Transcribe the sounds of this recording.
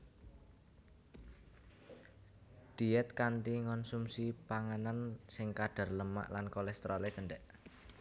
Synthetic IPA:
d̪̥i̤ɛt̪̚kant̪iŋɔnsumsipaŋanansɪŋkaɖ̥a̤rləma̰ʔlankolɛst̪ɾɔlet͡ʃəɳɖɛʔ

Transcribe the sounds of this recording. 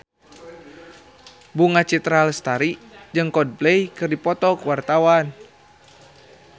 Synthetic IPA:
buŋat͡ʃit̪ɾalst̪aɾid͡ʒɨŋkɔd̚blɛjkɨrdipɔt̪ɔkwart̪awan

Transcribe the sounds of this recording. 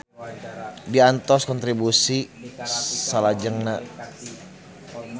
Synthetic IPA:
diant̪ɔskɔnt̪ɾibusi | salad͡ʒəŋna

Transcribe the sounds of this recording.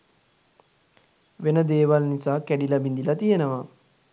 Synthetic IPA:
ʋenəd̪eːʋalnisaːkæɖilabind̪ilat̪ijenəʋa

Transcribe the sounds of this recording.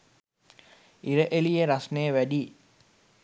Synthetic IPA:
iɾəʔelijeɾasnejəʋæɖi

